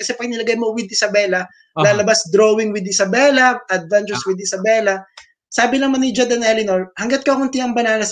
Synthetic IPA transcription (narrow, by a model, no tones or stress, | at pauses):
kɐsɛpɐɡ̚nɪlɐɡajmowɪd̪ʔɪsɐbɛːlɐ | laːlɐbasd̪ɾoːwɪŋwɪd̪̚ɪsɐbɛlɐʔɐd̪̚vant͡ʃɛɹswɪd̪̚ɪsɐbɛːlɐ | saːbɪnɐmanːɪd͡ʒond̪ɐnɛlɪnoɹhɐŋɡɐt̪̚kohʊnt̪ɪɐŋbɐnaːnɐs